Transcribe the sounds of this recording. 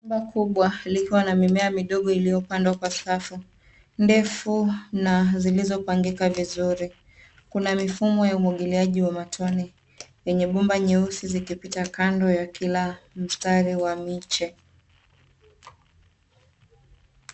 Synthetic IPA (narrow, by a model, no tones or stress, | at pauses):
mbakuɓwalikiwanamimɛamiɗɔɠɔilijɔpandwakwasafu | ndɛfunazilizɔpaŋɡikavizuɾi | kunamifumɔjaumwaɠiliaʄiwamatʰɔni | jɛɲɛɓumbaɲɛusizikipitakandɔjakilam̩staɾiwamit͡ʃɛ